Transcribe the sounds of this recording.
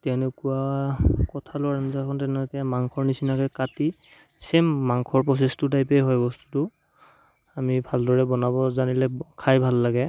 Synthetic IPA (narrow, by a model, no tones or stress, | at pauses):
tɛwnekuakɔtʰalʊaɹanzakʰɔntɛnɛtmaŋkʰɔɹnisinakɛkati | sɛmːaŋkʰɔɹpɹɔs̬estʊdajpejɦɔjbɔstu̥tʊ | amibʱaldɔɹɛbɔnabɔzanilɛkʰajbʱalːaɡɛ